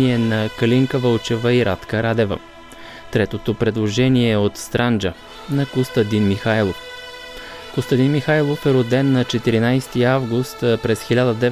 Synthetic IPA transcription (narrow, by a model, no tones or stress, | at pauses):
iɛnɐkɐliŋkəvəlt͡ʃɛvəiɾʔat̪kəɾad̪ɛvə̰ | t̪ɾɛt̪ot̪opɾɛd̪lˠoʒɛniɛot̪st̪ɾand͡ʒə | nɐkost̪ɐd̪inmixajlˠof | kʊst̪ɐd̪inmixajlˠofɛɾod̪ɛnːɐt͡ʃɛt̪iɾinajst̪iavɡust̪pɾɛsxilʲad̪əd̪ɛ